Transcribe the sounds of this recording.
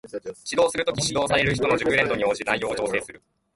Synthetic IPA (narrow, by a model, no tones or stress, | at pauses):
ɕid̪o̞ːsɨɾɯ̟t̪okʲiɕid̪o̞ːsaɾe̞ɾɯ̟çi̥t̪o̞no̞ʑɨkɯ̟ɾẽ̞nd̪o̞ɲ̟io̞ːʑinajjo̞ːd͡ʑo̞ːse̞ːsɨɾɯ̟